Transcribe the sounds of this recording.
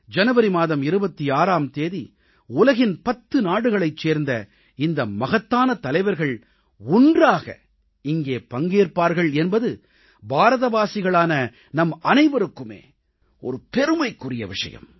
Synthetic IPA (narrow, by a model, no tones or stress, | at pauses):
d͡ʒɐnɐʋɐɾimaːðɐmɪɾɯbɐt̪ːiaːɾaːmt̪eːði | ʊlɐɣɪnpɐt̪ːɯnaːɽɯɣɐɭɐɪt͡ʃːeːɾnd̪ɐ | ɪnd̪ɐmɐɣɐt̪ːaːnɐt̪ɐlɐɪʋɐɾɣɐɭ | ʊndraːɣɐ̰ | ɪŋɡeːpɐŋɡeːɾpaːɾɣɐɭɛnbɐðɯ | bʱaːɾɐðɐʋaːsɪɣɐɭaːnɐ | nɐmɐnɐɪʋɐɾɯkːɯmḛː | ɔ̰ɾɯpɛɾɯmɐɪkːʊrɪjɐ̰ʋɪ̰ʂɐ̰jɐ̰m